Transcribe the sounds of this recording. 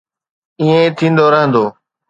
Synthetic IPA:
iːẽːt̪ʰĩːnd̪oɾəɦə̃nd̪oː

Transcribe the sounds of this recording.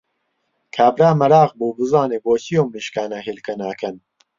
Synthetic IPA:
kʰaːbɾaːmɐɾaːɣbuːbɨzɑːneːboːsijoːmiːʃkaːnaɦeːlkɐnaːkɐn

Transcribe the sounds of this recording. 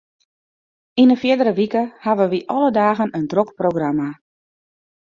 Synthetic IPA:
inəfjɪdəɾəʋikəhaʋəʋiʔɔlədaːɣənəndrokproɡrama

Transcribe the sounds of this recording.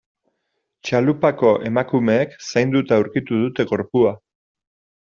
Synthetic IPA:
t͡ʃalupako̞ʔe̞makume̞ːksajnd̪ut̪auɾkit̪uð̞ut̪e̞ɣo̞ɾpua

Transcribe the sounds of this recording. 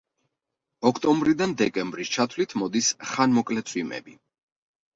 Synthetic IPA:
ɔkʰt̪ʼɔmbɾid̪and̪ɛkʼɛmbɾist͡ʃʰat̪ʰlit̪ʰmɔd̪isχanmɔkʼlɛt̪sʰʼwimɛ̰bi

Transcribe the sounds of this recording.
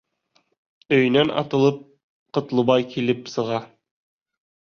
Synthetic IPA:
ɵ̆jnænɑ̰t̪ɤ̆lˠɤp̚ | qɤ̆t̪lˠɤ̆βɑjkilɘpsɤ̆ʁɑ

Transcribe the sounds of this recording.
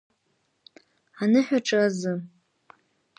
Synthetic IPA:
anɨħᶣaʈ͡ʂʼɨazɨ

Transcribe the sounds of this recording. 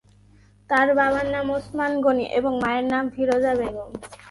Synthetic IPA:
t̪aɾbaβanːamosmanɡoniʔeboŋmaeɾnamfʰiɾod͡ʑabeɡoŋ

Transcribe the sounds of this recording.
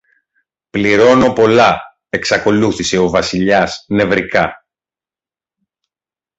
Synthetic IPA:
pliɾo̞no̞po̞lɐ | e̞ksɐko̞luθise̞o̞vɐsiʎɐsne̞vɾikɐ

